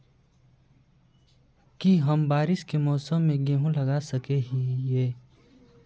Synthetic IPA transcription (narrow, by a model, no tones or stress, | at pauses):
kiɦəmbaːɾɪʃkemɔːsəmːẽɡeːɦũlɐɡasəkeɦijeː